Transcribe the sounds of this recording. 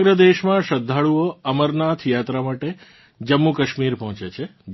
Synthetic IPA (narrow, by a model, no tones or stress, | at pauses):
ɡɾəd̪eʃmãʃəd̪ʱːaɭuoəməɾnat̪ʰjat̪ɾamaʈe | d͡ʒəmːukəʃmiɾpɔɦt͡ʃet͡ʃʰeb